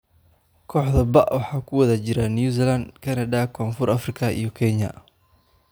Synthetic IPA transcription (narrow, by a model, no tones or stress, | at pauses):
kʰɔːħðɐbɐʔwɑħɑːkʰʊwɐðɐt͡ʃɪɾanjuːs̬ilɐnd̪kʰɐnɐðakʰɔːnfʊrʔɐfrɪkʰɐʔḭjɞkʰɛɲɐ̰